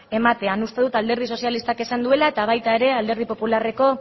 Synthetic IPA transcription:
e̞mat̪e̞anust̪e̞ðut̪ald̪e̞ɾð̞iso̞sialist̪ake̞sand̪ue̞lae̞t̪aβ̞ajt̪ae̞ɾe̞ald̪e̞ɾð̞ipo̞pulare̞ko̞

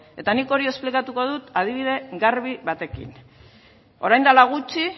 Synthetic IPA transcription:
e̞t̪aniko̞ɾioesplikat̪uko̞ð̞ut̪aðiβ̞ið̞e̞ɡaɾβiβat̪e̞kḭn | o̞ɾajnd̪alaɣ̞ut͡ʃi

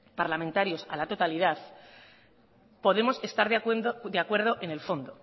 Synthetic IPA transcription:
paɾlamẽnt̪aɾjo̞sa̰lat̪o̞t̪aliðaθ | po̞ð̞e̞mo̞se̞st̪aɾðd̪eakwe̞ɾðo̞ʔe̞ne̞lfo̞nd̪o

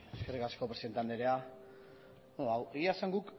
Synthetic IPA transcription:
eskerikasko̞pɾe̞siðent̪eand̪eɾea | aweiasaŋɡuk

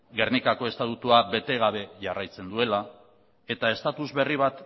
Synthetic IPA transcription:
ɡe̞rnikako̞e̞st̪at̪ut̪uaβe̞t̪e̞ɣ̞aβe̞ʝarajt͡se̞nd̪ue̞la | e̞t̪ae̞st̪at̪uzβe̞riβ̞at̪

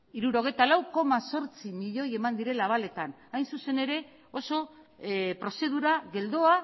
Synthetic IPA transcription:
iɾuɾo̞ɣ̞e̞jt̪alawko̞maso̞ɾt͡simiʎo̞je̞mand̪iɾe̞laβ̞ale̞t̪an | ajnsuse̞ne̞ɾe̞ | o̞so̞ | pɾo̞se̞ðuɾaɣe̞ld̪o̞a

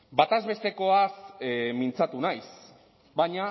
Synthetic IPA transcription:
bat̪azβe̞st̪e̞ko̞asmint͡sat̪unajs | baɲa

